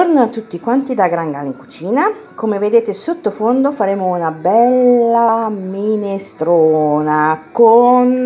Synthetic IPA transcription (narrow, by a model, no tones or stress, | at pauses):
oɾnoat̪ːut̪ːikwant̪id̪aɡɾaŋɡa̰liŋku̥t͡ʃiːna | komeved̪eːt̪esot̪ːofond̪ofaɾeːmounabɛlːaminest̪ɾoːnakon